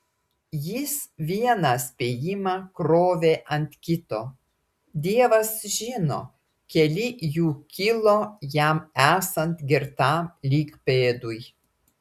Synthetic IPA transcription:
jɪsʋʲiɛnɑsʲpʲeːjɪmɑːkɾoːʋʲeːʔɐnʲt̪ʲkʲɪt̪oː | d̪ʲiɛʋɐsʒʲɪno̰ | kʲɛlʲɪjuːkʲɪlˠoːjæmæːsɐnt̪ɡʲɪɾt̪ɑːmlʲiːkpeːd̪ʊj

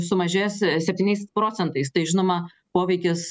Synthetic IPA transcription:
sʊmɐʒʲeːjssʲɛpʲt̪ʲiːnʲɛɪspɾoːt̪sʲɛnt̪ɐɪst̪ɐɪʒʲɪnoːmɐ | poːʋʲɛɪkʲɪs

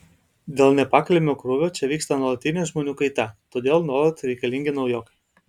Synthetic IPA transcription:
d̪ʲeːlˠnʲɛpɑːkɐlʲɪmʲoːkɾʊʋʲoːt͡ʃʲɛʋʲiːkst̪ɐnuɔlˠɐt̪ʲɪnʲeːʒmoːnʲuːkɐɪt̪ʲɛt̪oːd̪ʲeːlˠnoːɾot̪ɾʲɛɪkɐlʲɪŋʲɡʲɪnɒʊjoːkɐɪ

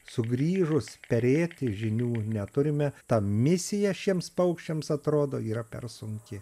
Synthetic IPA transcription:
sʊɡɾʲiːʒʊspʲɛɾʲeːt̪ʲɪʒʲɪnʲuːnʲɛt̪ʊɾʲɪmʲɛt̪ɐmʲɪsʲɪjɛʃʲiɛmspɐʊkʃʲt͡ʃʲɛmsɐt̪ɾoːd̪oːiːɾɐpʲɛ̰rsʊŋʲkʲɪ

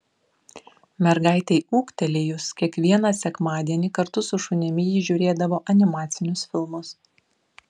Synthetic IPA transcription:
mʲɛɾɡɑˑɪt̪ʲɛɪuːkt̪ʲɛlʲɪjʊskʲiɛkʋʲiɛnɑsʲɛkmɑːd̪ʲiɛnʲɪkɐɾt̪ʊsʊʃʊnʲɪmʲɪjiʒʲuːɾʲeːd̪ɐʋoːʔɐnʲɪmɑːt̪sʲɪnʲʊsfʲɪlˠmʊs

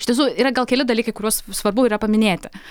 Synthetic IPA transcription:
ɪʃtʲiɛs̬uːiːɾɐɡɐlˠkʲɛlʲɪd̪ɐlʲiːkɐɪkʊɾʲuɔssʋɐrbʊiːɾɐpɐmʲɪnʲeːt̪ʲɪ

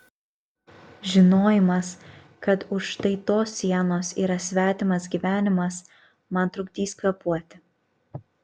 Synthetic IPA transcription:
ʒʲɪnoːjɪmɐs | kɐt̪ʊʃʃt̪ɐɪt̪oːsːʲiɛnoːsḭːɾɐsʲʋʲæːt̪ʲɪmɐsɡʲiːʋʲæːnʲɪmɐs | mɐnt̪ɾʊɡd̪ʲiːsʲkɐpuɔt̪ʲɪ

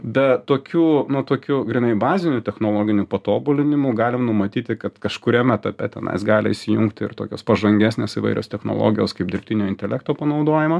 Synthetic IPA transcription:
bʲɛt̪oːkʲuːnʊt̪oːkʲuːɡɾʲɪnɐɪbɑːzʲɪnʲʊt̪ʲɛxnoːlˠoːɡʲɪnʲʊpɐt̪oːbʊlʲɪnʲɪmʊɡɑːlʲɪmnʊmɐt̪ʲiːt̪ʲɪkɐt̪kɐʃkʊɾʲiɛmʲæt̪ɐpʲɛt̪ʲɛnɐ̰ɪsɡɑːlʲɪ̰ɪʃʲsʲɪjuŋkt̪ʲɪ̰rt̪o̰ːkʲoːspɐʒɐŋʲɡʲæːsʲnʲeːsɪʋɐ̰ɪɾʲo̰ːst̪ʲɛxno̰lˠo̰ːɡʲɪjoːskɐɪp̚d̪ʲɪɾʲpʲt̪ʲɪnʲoːɪnʲt̪ʲɛlʲækt̪oːpɐnɐʊd̪oːjɪmɐ

